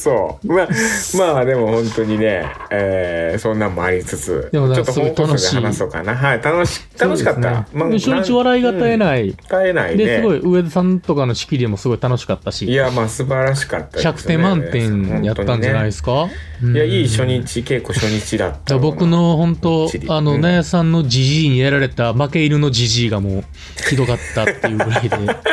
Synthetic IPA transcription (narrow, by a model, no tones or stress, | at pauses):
soːmamaːd̪e̞mo̞hõ̞nt̪o̞ɲ̟inḛ | eːsõ̞nːãmoaɾʲit͡sɨt͡sɨ̰d̪e̞monaokat̪ːosɨɡo̞it̪aanoɕeiaːasoka̰naɦait̪anoɕi̥t̪sanoɕiekatnːa̰mademoɕo̞ɲ̟it͡ɕiβaɾaiɡat̪ae̞nait̪aena̰id̪e̞ssɨɡo̞iʔɯ̟e̞d̪asãnt̪o̞kano̞ɕi̥kʲiɾʲiemo̞sɨɡo̞it̪ano̞ɕi̥kat̪ːaɕijjamasɨbaɾaɕi̥ka̰t̪ːadçakɯ̟̥ẽ̞mmːãnt̪ẽ̞jat̪ːãɲ̟d͡ʑanaiesɨ̥ka | ɯ̃jaiːɕo̞ɲit͡ɕike̞kːoɕoɲit͡ɕid̪a̰t̪ːdabo̞kɯ̟no̞hõ̞nt̪o̞ano̞najasãnːo̞d͡ʑiʑiːɲ̟ijaɾaɾe̞t̪amake̞iɾɯ̟no̞d͡ʑiʑiːɡamo̞ː | çid̪o̞ɡat̪ːat̪ːejɯ̟ɾaid̪e̞